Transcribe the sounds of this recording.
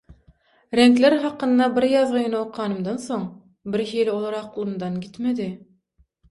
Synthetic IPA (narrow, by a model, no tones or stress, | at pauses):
ɾæŋklæɾɦɑqɤ̆nd̪ɑbɪɾjɑðʁɤ̆jnɑoqʁɑnɯ̆md̪ɑnsoɴ | bɪɾɦilʲolˠɑɾɑqlˠɯ̆md̪ɑnɡit̪mæd̪ɪ